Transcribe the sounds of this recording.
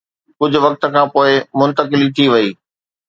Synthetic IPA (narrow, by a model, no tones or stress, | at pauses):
kʊd͡ʑʱʊ̆ʋɐk̚t̪̆kʰãːpoːɪmʊ̃nt̪əkɪlit̪ʰiʋɐiː